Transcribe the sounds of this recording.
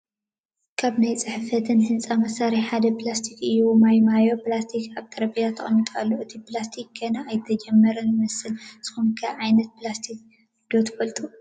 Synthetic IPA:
kʰaβnajt͡sʼɨħɨfɐt̪ʰɨnhɨnt͡sʼamɐsaɾiħad̪ɐplast̪ʰikɨjːumajmajo̞plast̪ʰikaβt̪ʰɐɾɐpijat̪ʰɐχʼɐnːit̪ʼalːoɨt̪ʰiplast̪ʰikːɐnaːjt̪ʰɐd͡ʒɛmːɐɾɨnmɐsɨlz̥ɨ̥xumkʰɐʕajnɐt̪̚pɨlast̪ʰik̚ | d̪ot̪ʰfɐlt̪ʼu

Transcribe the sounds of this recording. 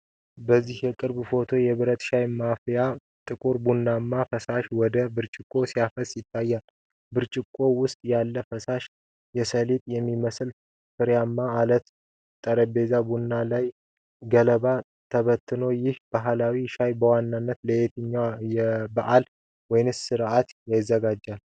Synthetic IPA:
bəzːihjɛkʼɨɾbfo̞t̪ʰo̞jɛβɨɾət̪ʃajmafja | t̪ʼɨkʼuɾbunːamːafəsaʃwɔd̪əbɨɾt͡ʃʼɪkʼːo̞siafəsʼjɪt̪ʰːajːal | bɨɾt͡ʃʼɪkʼːo̞wʊst̪ʼjalːəfəsaʃ | jɛsəlit̪ʼjɛmːiməsɨl | fɨɾjamːaːlət̪ | t̪ʼːəɾəbe̞zabunːalaj | ɡələba | t̪ʰəβət̪ʰːɨno̞jɪhb̥aɦlawiʃajbəwanːanːət̪ləet̪ʰɨɲːajɛbaʔal | wɔjɪnɨssɨɾʔat̪jajɪzːəɡad͡ʒːal

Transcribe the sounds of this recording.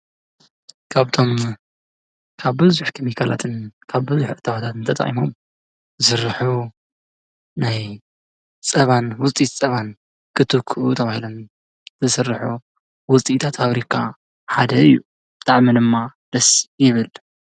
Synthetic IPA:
kʰaβt̪ʰo̞m | kʰaβbɨzuħk̪ʰɐmikʰala̰t̪ʰɨnkʰaβbɨzuħʔɨt̪ʰːawat̪ʰat̪ʰɨnt̪ʰɐt̪ʼɐ̰χʼḭmo̞m | ɨsɨɾːɨħu | naj | t͡sʼɐβanwʊt͡sʼit̪t͡sʼɐβan | kʰɨt̪ʰɨkʰːʔut̪ʰɐβahilo̞m | zɨsɨrːɨħu | wʊt͡sʼit̪ʰat̪faβɾikʰa | ħad̪ɐɨjːu | bɨt̪ʼaʕmid̪ɨmːad̪̥ɐsjɪβɨl

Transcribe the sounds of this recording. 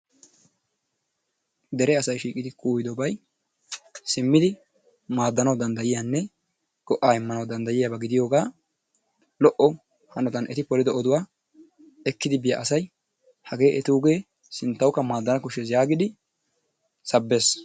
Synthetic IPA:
d̪ɛɾɛɐsɐjʃiːkʼɪd̪ɪkʰuːjɪd̪ɔbɐj | sɪmːɪd̪ɪ | maːd̪ːɐnɐwd̪ɐnd̪ɐjɪjaːnːɛ | ɡ̥ɔʔːaːɪmːɐnɐwd̪ɐnd̪ɐjɪjabɐɡɪd̪ɪjo̞ːɡaː | lɔʔɔ | hɐnɔt̪ɐnʔɛ̰t̪ɪpɔlɪd̪ɔɔd̪ʊwaː | ɛkːɪd̪ɪbɪja̰ʔɐsɐj | hɐɡe̞ːʔɛt̪uːɡe̞ː | sɪnt̪ːɐwkːɐmaːd̪ːɐnɐkʊʃɛs̬jaːɡɪd̪ɪ | sɐbːe̞ːs

